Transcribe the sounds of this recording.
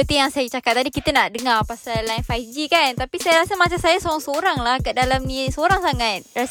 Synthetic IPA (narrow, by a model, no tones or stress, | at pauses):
pət̪ijaŋsajat͡ʃakap̚t̪adikit̪ənaʔdəŋarpasalanfajd͡ʒikant̪apisajaɾasəmat͡ʃansajasoɾaŋsoɾaŋlahkədalamnisəoɾaŋsaŋat̪̚ras